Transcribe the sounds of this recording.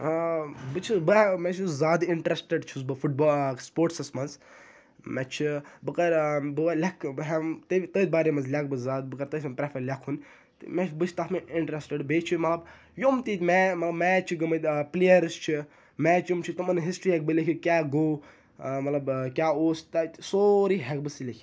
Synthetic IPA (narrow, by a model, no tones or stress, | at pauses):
bɨt͡ʃʰibɨmɛt͡ʃʰuzaːd̪iɳʈɾesʈeɖt͡ʃʰusbɨfuʈ̚bɔːspoːɾʈsɐsmɐnz | mɛt͡ʃʰibɨkɐɾbɨʋalʲɐkʰbɦɛmt̪ət̪əːt̪̚baːɾemɐnzlʲɐk̚bɨzaːd̪̚bɨkɐɾt̪əːsʲmɐmpɾɛfɐɾlʲakʰun | t̪ɨmɛt͡ʃʰbɨt͡ʃʰt̪ɐt̪ʰmeiɳʈɾesʈeɖbeːt͡ʃʰimɐt̪lɐb | jomt̪it̪ʲmɛmɐt̪lɐbmɛːt͡ʃʰiɡɐmɐt̪ʲplejɐɾst͡ʃʰi | mɛt͡ʃjumt͡ʃʰit̪umɐnɦisʈɾiɦɛk̚bɨlekʰʲikʲaːɡoː | mɐt̪lɐbkʲaːoːst̪at̪soɾiɦɛk̚bɨsilʲekʰi